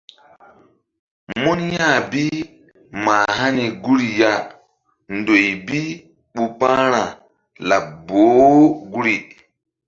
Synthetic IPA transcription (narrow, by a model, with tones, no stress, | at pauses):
mu˦nja˦˨bi˦ | maː˨ɦa˦ni˨ɡu˦ɾi˨ja˦ | ndo˨jbi˦ | ɓu˨pa˦ɾa˨ | la˨boː˨˦ɡu˦ɾi˨